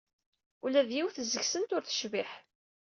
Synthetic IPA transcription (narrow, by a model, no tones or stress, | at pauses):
ulæðjiwθəzəçsənt̪ʊɾθə̥ʃviħ